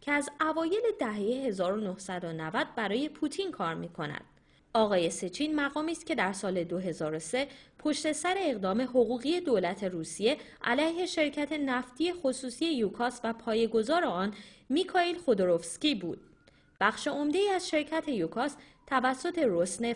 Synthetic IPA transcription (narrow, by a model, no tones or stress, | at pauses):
cʰeæzævɒːje̞le̞d̪æɦejeɦe̞zɒːɾo̞nohsæd̪onævæd̪̥̚bæɾɒːje̞pʰut̪ʰinkʰɒːɾmiːkʰo̞næ̰d̪̥̚ | ɒːɣɒːje̞se̞t͡ʃʰiːnmæɣɒːmiːst̪̚cʰe̞d̪æɾsɒːle̞d̪oɦe̞zɒːɾo̞se̞pʰo̞ʃt̪e̞sæɾe̞ːɣd̪ɒːme̞ɦo̞ɣuːɣije̞d̪olæt̪ʰe̞ɾuːsije̞ | ʔælæjhe̞ʃe̞ɾcʰæt̪ʰe̞næft̪ʰije̞xo̞suːsie̞jukʰɒːsvæpʰɒːje̞ɡo̞zɒːɾe̞ɒːnmikʰɒilxod̪oɾofscibṵːd̪̥̚ | b̥æχʃe̞o̞md̪e̞iːæzʃe̞ɾcʰæt̪ʰe̞jukʰɒs | t̪ʰævæsːo̞t̪ʰe̞ɾosne